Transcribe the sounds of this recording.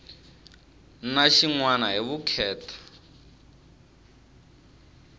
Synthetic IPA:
naʃiŋwanaɦiβukʰɛːtʰḁ

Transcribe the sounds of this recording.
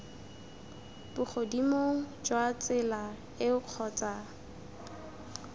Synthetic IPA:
b̥ʊχʰodimoŋ̩d͡ʒwat͡sʼɪla | ɪʊq͡χʰɔːt͡sa

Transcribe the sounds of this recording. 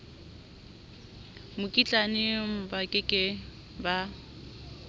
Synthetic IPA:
mʊkʼit͡ɬʼanɪm̩bakʼɪkʼɪ | ba

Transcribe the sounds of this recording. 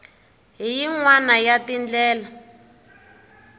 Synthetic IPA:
ɦijiŋwanajatind͡ɮɛːla

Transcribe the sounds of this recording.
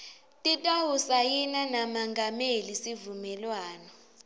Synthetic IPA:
tʼitʼawusajinanamaŋɡʱamelisivumɛlwaːnɔ

